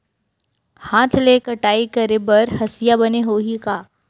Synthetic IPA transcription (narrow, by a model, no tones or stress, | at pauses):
haːt̪ʰleːkɐʈaːikɐɾebɐɾhɐsɪjabɐneɦoːɦikaː